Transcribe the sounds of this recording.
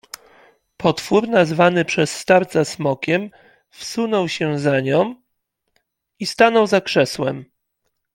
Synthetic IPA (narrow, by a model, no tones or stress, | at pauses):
pʰɔt̪fuɾnazvanɘpʂɛsːt̪aɾt̪sasmɔkʲɛm | fsunɔwɕɛzaɲɔ̃w̃ | ist̪anɔwzakʂɛswɛm